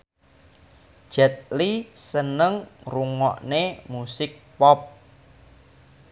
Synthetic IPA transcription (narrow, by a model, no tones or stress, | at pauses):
ʒ̥ɛt̪̚lisənəŋruŋɔ̰ʔnemusɪk̚pɔp̚